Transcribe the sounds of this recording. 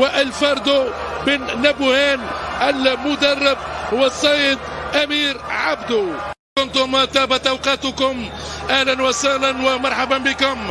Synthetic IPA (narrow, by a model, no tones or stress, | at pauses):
waʔalfɑɾˤd̪ʊ | bɪnːabʊhaːnʔalmʊd̪ɑrˤːɪb̚hʊwasˤːɑjːɪd̪ʔamiːɾʕabd̪u | kʊnt̪ʊmt̪aːbat̪ʔawqɑːt̪ʊkʊm | ʔahlanwasahlanwamɑɾˤħabanbɪkʊm